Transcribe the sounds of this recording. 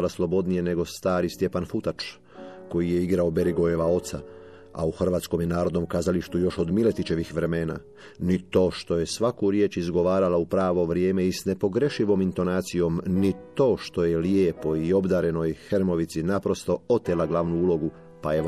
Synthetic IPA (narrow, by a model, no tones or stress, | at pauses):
laslˠo̞bo̞d̪nije̞ne̞ɡo̞st̪aːɾist̪je̞panfut̪at͡ʃ | ko̞jije̞iɡɾaobe̞ɾiɡojeʋao̞t̪sa̰ | a̰uxr̩ʋaːt̪sko̞mjenaːɾo̞d̪no̞mkazaliʃt̪ujo̞ʃo̞d̪mile̞t̪it͡ʃe̞ʋixʋɾe̞meːna̰ː | nit̪o̞ːʃt̪o̞je̞sʋakuɾje̞ːt͡ʃizɡo̞ʋaːɾalaupɾaːʋo̞ʋɾjeːmeisne̞po̞ɡɾe̞ʃiʋo̞mint̪o̞naːt̪sijo̞mnit̪o̞ːʃt̪o̞jeljeːpo̞io̞bd̪aːɾe̞no̞jxeɾmo̞ʋit̪sinapɾo̞st̪o̞o̞t̪elaɡlaʋnuuːlo̞ɡu | paje